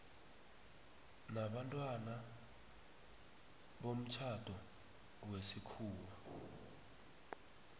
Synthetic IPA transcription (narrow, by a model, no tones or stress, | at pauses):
naɓantʼwana | ɓom̩t͡ʃʰad̥ʱɔ | wesikʰuːwa